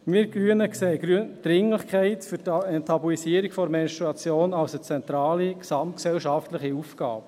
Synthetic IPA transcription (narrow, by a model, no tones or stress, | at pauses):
miːɾɡ̥ɾyːənəkseːyd̥ɾɪŋlɪχkʰɛɪtfyɾtɛntʰɑbuisiəɾiɡfɔɾmɛnʃtɾuɑt͡sjoːnɑwsət͡sɛnt̪ɾɑːliksɑmt̚ksɛlʃɑftlɪχiufɡ̥ɑ̰ːp